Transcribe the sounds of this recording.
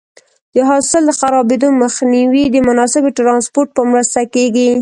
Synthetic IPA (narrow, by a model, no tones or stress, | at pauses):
d̪əɦɑsɪld̪əxaɾɑbed̪oməxniwid̪əmʊnɑsɪbʈɾɑnspoɾʈ̚pəmɾəst̪akeɡi